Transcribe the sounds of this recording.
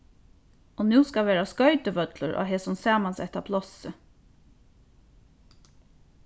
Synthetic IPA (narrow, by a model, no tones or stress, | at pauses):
ɔnʉːskaʋeːɹaskœʏt̪ɪʋœt̪lʊɾʔa̰ːɦɛːsʊmsaːmansɛ̰ht̪apʰlɔsə